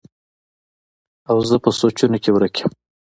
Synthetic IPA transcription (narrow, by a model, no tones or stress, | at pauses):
awzəpəsot͡ʃunokewɾakʰe̥m